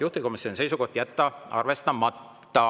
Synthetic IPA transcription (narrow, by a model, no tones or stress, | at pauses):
juht̪iko̞misːonise̞jsuko̞ht̪jæt̪ːɑʔɑ̰rve̞st̪ɑmɑt̪ː | ɑ